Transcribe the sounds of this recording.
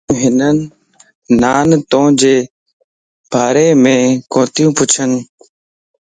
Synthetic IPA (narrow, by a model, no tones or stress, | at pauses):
ɦɪnənː | aːnt̪õːd͡ʒeː | bʱaːɾeːmẽːkõːt̪jũːpʊt͡ʃʰən